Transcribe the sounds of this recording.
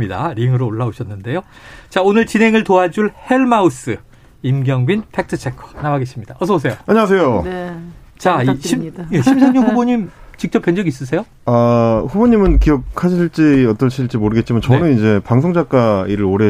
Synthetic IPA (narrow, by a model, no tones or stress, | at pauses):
ida̰ɾiŋɯɾoːɭːaoɕʰʌnːɯnde̞jot͡ɕaonɯɭt͡ɕinɦe̞ŋɯɭtoad͡ʑuɭhe̞ɭmaus͈ɯ | imɡjʌŋɡɥinpʰe̞k̚tʰɯt͡ɕʰe̞kʰʌ̥namaɡe̞ɕ͈ʰimɲidaʌsʰʌbos̬ʰe̞joaɲias̬ʰe̞jo | t͡ɕaiɕʰije̞ɕʰimsʰeŋɲoɸuboɲimt͡ɕik̚t͡ɕ͈ʌpːend͡ʑʌɡis̬͈ɯs̬ʰe̞jo | aɸuboɲimɯnkiʌk̚ʰaɕʰiɭt͡ɕ͈iʌt͈ʌɕʰiiɭt͡ɕ͈imoɾɯɡe̞t̚t͡ɕ͈imant͡ɕʌnɯnid͡ʑe̞paŋsʰoŋd͡ʑak͈aiɾɯɾoɾe̞